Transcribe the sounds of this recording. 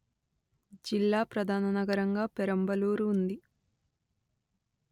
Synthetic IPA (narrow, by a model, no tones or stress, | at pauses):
d͡ʒilːaːpɾɐd̪ʱaːnɐnɐɡɐɾɐŋɡaːpɛɾɐmbɐluːɾuːnd̪i